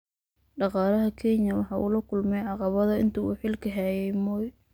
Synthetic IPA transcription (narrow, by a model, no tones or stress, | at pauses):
ɖɑqɑːlɐɦɐkʰɛɲɐwɑħɑːʔṵːlɐkʰʊlmɛjʕɑqɑβɐðɐɪ̰nt̪ʰuṵːħɪlkʰɐɦɛjɛjmɔːj